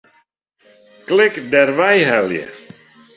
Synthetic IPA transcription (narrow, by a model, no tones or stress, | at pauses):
klɪkdɛrʋɛjɦɛljə̰